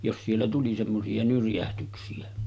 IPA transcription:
jos sielːæ tuli semːosiɑ nyrjæhtyksiæ

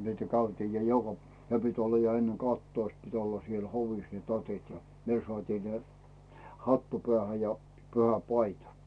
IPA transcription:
niːtæ kæytiːj jɑ jokɑ p jɑ ne pit olːɑ jɑ enːe kɑhtːoist pit olːɑ siel hoʋis ne tɑtit jɑ ne sŏɑˑtiː ne hɑtːu pĕæˑhæ jɑ pyhæpɑitɑ

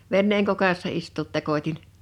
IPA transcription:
ʋenːeːŋ kokɑsːɑ istuːt tekotʲin

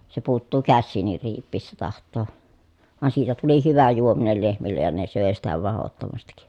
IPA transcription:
se puːtːuː kæsːiːnˑir riːpˑiːsːæ tɑhtˑoː ʋɑn siːtæ tuli hyʋæ juominel lehmilːej jɑ ne søˑe sitæ ʋɑhotːomɑstik

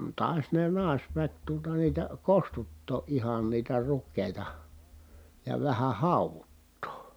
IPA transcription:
tɑˑi̯s ne nɑˑi̯sʋæk tuotɑ niːtæ kostutːoː ʔihɑn niːtæ rukːeˑi̯tɑ jɑ ʋæhæ hɑˑuʋutːoː

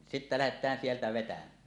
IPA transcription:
sitːæ læhetˑæːn sieltæ ʋetæmˑæː

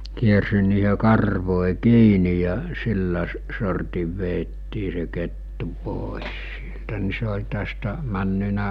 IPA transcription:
kiersin̆ niːhe kɑrʋoˑi kiːni jɑ silːæ s sortiʋ ʋeːtːiː se ketːu poˑes sieltæ ni se olʲ tæstæ mænːynæ

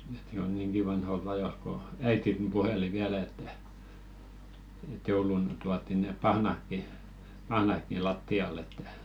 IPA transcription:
ĕt̆ jo niːŋɡ̊i ʋɑnholt ɑjolt̆ ko æitin puheli ʋiælæ etːæ ĕt̆ joulun tuɑtːi neˑ pɑhnɑkːi pɑhnɑkːi lɑtːiɑlˑ etːæ

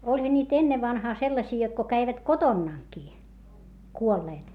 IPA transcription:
olʲhɑ nʲiːt enːeʋːɑnhɑː selːɑsiː jot ko kæiʋæt kotonːɑˑŋkiː kuolːeːt

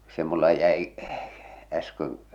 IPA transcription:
se mulːɑ jæi æskøŋ

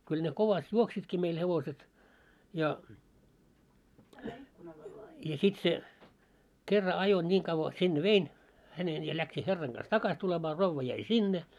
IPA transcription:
kyl ne koʋɑst juoksitki meil heʋoset jɑ jɑ sit se kerːɑ ɑjo nʲiːŋ kɑʋːɑ sinːe ʋein hænen jɑ læksi herːɑŋ ɡ̊ɑs tɑkɑs tulemɑː roʋːɑ jæi sinːe

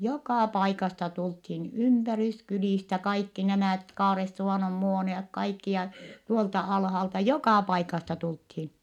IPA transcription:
jokɑˑ pɑikɑstɑ tulthin ympæryskyliˑstæ kɑikːi næmæˑt kɑːresːuʋɑˑnom muoniok kɑikːi jɑ tuoltɑ ɑlhɑltɑ jokɑˑ pɑikɑstɑ tulthin

